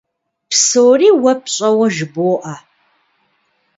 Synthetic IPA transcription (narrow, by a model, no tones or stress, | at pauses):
psoːriːwɐpʰɕʼɐwɐʒboːʔa